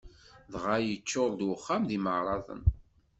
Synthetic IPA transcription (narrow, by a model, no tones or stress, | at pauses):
ðʁajət͡ʃːʊɾˤd̪wəχːamðiməʕɾˤɑðˤə̰n